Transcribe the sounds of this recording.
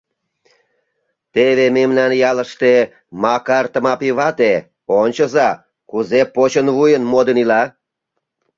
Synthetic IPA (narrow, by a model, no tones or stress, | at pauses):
t̪eβememnɑnjɑləʃt̪e | mɑkɑrt̪əmɑpiβɑt̪e | onʲt͡ɕə̆zɑ | kuzepot͡ɕənβujənmod̪ə̆nilɑ